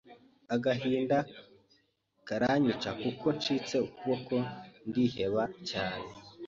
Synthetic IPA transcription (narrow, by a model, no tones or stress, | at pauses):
aɡaɦiːnda | kaɾaɲit͡ʃakuko̞nt͡ʃit͡se̞ukuβo̞ko̞ndihe̞βacaːne̞